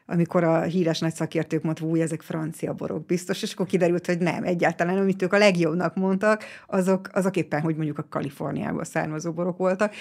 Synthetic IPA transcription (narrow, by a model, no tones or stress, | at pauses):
ɒ̰miko̞ɾɒɦiːɾɛʃnɒcsɒkeːrt̪øːkmont̪uːjɛzɛkfrɒnt̪sijɒ̰bo̞̰ɾo̞̰ɡ̚bist̪o̞ʃeːʃɒ̥kːorkid̪ɛɾylt̪ho̞ɟnɛ̰mʔɛɟːaːlt̪ɒlaːnɒmit̪øːkɒlɛɡjo̞bnɒkmo̞nt̪ɒkɒzo̞kɒzokeːpːɛnɦo̞ɟmo̞ɲɟukɒkɒ̰lifo̞̰rnija̰ːbɒ̰lsa̰ːrmɒzoːbo̞ɾo̞kʋo̞lt̪ɒk